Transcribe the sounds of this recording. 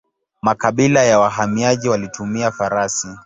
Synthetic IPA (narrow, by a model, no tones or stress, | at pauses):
makaɓilajawaɦamiaʄiwalitʰumiafaɾasi